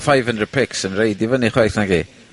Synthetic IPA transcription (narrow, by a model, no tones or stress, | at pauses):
fajvəndəpʰɪksənrejdivɔniχwajθnaɡi